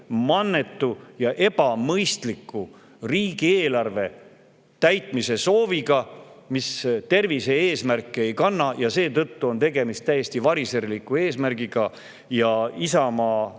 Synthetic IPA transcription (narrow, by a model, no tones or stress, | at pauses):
mɑnːe̞t̪ːujɑʔe̞b̥ɑmɤjst̪likːˑu | riːɡ̥ieːlɑrve̞ | t̪æjt̪ˑmise̞so̞ːviɡɑmist̪e̞rvise̞e̞ːsmærkːˑee̞jkɑnːɑjɑse̞ːt̪ɤt̪ːuo̞nt̪e̞ɡe̞mist̪æje̞st̪ivɑɾiseɾlikːˑue̞ːsmæɾɡ̥iɡ̥ɑ | jɑisɑmɑː